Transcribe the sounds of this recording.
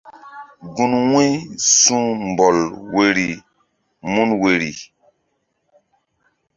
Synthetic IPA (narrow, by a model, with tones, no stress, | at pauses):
ɡu˨nwẽ˦sũ˦m˨bo˨lwe˨ɾi˨ | mu˦nwe˨ɾḭ˨